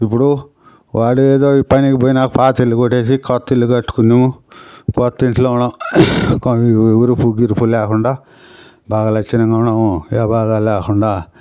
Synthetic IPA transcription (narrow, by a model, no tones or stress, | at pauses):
ip̬ːuɽu | ʋaːɽueːd̪o̞ːipɐnikiboːjinaːkupaːt̪ilːukoʈːeːs̬ikɔt̪ːilːukɐʈːu̥kunːimukot̪ːiɳʈloːuɳakʋuɾupuɡiɾupulɛːkuɳɖaː | baːɡaːlɐkt͡ʃːɐnɐŋɡaːuɳamuɛːbaːd̪aːlɛːkuɳɖaː